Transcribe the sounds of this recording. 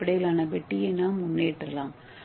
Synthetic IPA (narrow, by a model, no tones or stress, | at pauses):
pːɪɽɐjɪlaːnɐʋɛʈːɪjenaːmʊnːeːʈːɾɐlãːm